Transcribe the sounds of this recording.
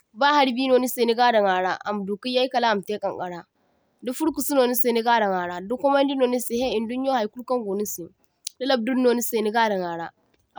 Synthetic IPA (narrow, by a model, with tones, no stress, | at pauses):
baː˦ha˦ɾbiː˦noː˨ni˦se˨ni˦ɡaː˦da˨ŋaː˨ɽa˦ʔa˨m˨du˨ki˦ja˦ji˦ka˨la˦˨m˨te˦kʼɐ˨ŋka˨ɽa˦ | du˦fu˦ɽku˨su˦noː˨ni˦se˨ni˦ɡaː˦dɐ˨ŋaː˨ɽaː˨du˦kʷːɔ˦mɐ˦n˦di˦no˨ni˦se˨ɦe˦i˨ndu˦ɲjo˦ha˨jku˦ɽkɐ˦ŋɡo˨ni˦si˨ | da˦lɐ˦˨b̚du˦nː˦oː˨ni˦se˨ni˦ɡaː˦dɐ˨ŋaː˨ɽa˦